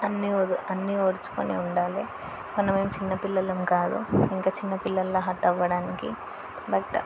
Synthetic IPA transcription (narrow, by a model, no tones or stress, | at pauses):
ɐnːioːdɐnːioːɽut͡ʃu̥ko̰nḭuɳɖaːleː | mɐnɐmeːmut͡ʃinːɐpilːɐlɐmukaːd̪ṵiŋkaːt͡ʃinːɐpilːɐlːoːɦɐʈːɐʋːɐɽaːnikḭ | bɐʈːɐ̰